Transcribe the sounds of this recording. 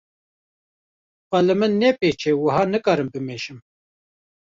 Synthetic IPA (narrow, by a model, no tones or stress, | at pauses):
pɐlɐmənːeːpeːt͡ʃʰeːwɐɦɑːnəkɑːɾɨmpɪmeːʃɪm